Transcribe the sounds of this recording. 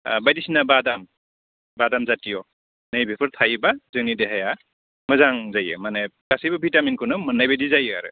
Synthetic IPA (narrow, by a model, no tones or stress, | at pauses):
bajdisinabadam | badamzatijɔ | najbʱepʰɯɾt̪ʰajbazɯŋnideɦaja | mɯzaŋzajɯ̰manekasijbɯbʱitaminkʰɯnɯmɯnajbedizajɯa̰ɾɯ̰